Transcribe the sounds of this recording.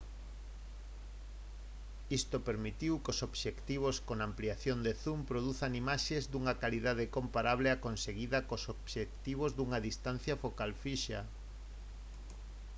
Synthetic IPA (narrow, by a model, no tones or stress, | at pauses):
ist̪opeɾmit̪iwkosoβʃekt̪iβ̞oskonampliaθjond̪eθumpɾoðuθaŋimaʃezd̪uŋakaliðaðɪkompaɾaβlɪakonseɣiðɐkosoβʃekt̪iβ̞ozðuŋɐðist̪an̟θjɐfokalfiʃa